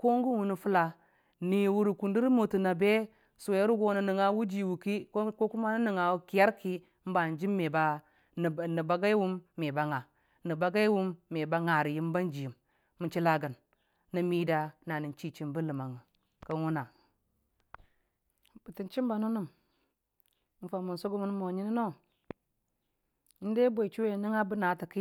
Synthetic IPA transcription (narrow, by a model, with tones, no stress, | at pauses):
ko˦ŋɡu˦wu˨ni˨fu˦la˨ | ni˨wu˦ɾi˨ku˨ndi˦ɾmo˨tu˨na˨be˦ | so˨je˦ɾu˦ɡo˦nə˨ni˨ŋa˦wu˦d͡ʒi˨wu˨ki˦kko˦ku˦ma˦nu˦ni˨ŋa˨wu˦ki˨ja˦ɾki˦ | m̩˦ba˨n˨d͡ʒi˦mːe˨ba˦˨ | ni˨ba˦ɡa˦i˦wu˦mːe˨ba˨˦ŋa˨ | nə˨ba˦ɡa˦jwu˦mːe˨ba˦ŋa˨ɾi˨ji˦m˦ba˦nd͡ʒi˨ji˨mː | u˨t͡ʃi˦la˦ɡa˨nː | ə˦mi˦da˦na˨ni˨n˦t͡ʃi˦t͡ʃi˦mbu˦lɨ˨ma˨ŋə˨ | kə˦n˦wu˦na˨ | bə˨ti˨nt͡ʃi˦m˦ba˨nu˦nu˦˨m | m̩˦fa˨mu˨n˨so˦ɡo˦mu˦n˦mo˨ɲi˦ni˦no˦ | n˦de˦bʷo˨i˨t͡ʃi˦we˦˨ni˦ŋa˦bə˦na˨˦ti˨ki˦